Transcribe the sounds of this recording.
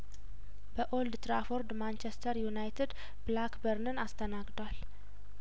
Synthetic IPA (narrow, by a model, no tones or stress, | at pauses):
bəʔo̞ld̪t̪ɾafoɾd̪mant͡ʃest̪ʰəɾjunajt̪ʰɨd̪ | blakbəɾnɨnast̪ʰənaɡd̪wal